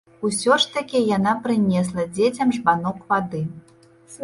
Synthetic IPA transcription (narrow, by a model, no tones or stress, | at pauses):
usʲɔʂt̪ɐkʲijan̪apɾɨnʲɛs̬lˠɐd͡zʲet͡sʲɐmʐbanɔkvad̪ɨ